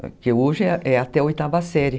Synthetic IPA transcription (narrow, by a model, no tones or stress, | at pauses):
keuɾʒeʔɛat̪ɛojt̪avasɛɾjɪ